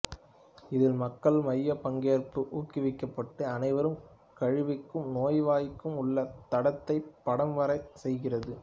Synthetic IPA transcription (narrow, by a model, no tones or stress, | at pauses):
ɪðɪlmɐkːɐɭmɐjːɐpɐŋɡeːɾpɯʔuːkːɪʋɪkːɐpːɐʈːɯɐnɐɪʋɐɾɯm | kɐɻɪʋɪkːɯmnoːjʋaːjɪkːɯmʊɭːɐt̪ɐɽɐt̪ːɐɪpːɐɽɐmʋɐɾɐɪsɛjɣɪrɐðɯ